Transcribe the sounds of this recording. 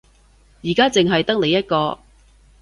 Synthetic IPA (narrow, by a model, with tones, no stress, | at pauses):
jiː˨˩kaː˥t͡sɪ˨ŋɦɐ˨jt̪ɐ˥k̚le˨jɐ˥t̚kɔː˧